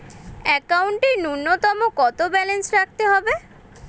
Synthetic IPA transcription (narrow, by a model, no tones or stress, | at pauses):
ɛkawɳʈinunːot̪ɔmokɔt̪obɛlensɾak̚ʰt̪eɦɔbe